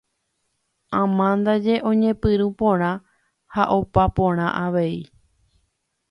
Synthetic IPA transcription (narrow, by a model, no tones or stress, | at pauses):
ãmãnd̪ad͡ʒe̞ʔõ̞ɲẽ̞pɨɾũpõ̞ɾ̃ã | haʔopapõ̞ɾ̃ãʔaʋe̞i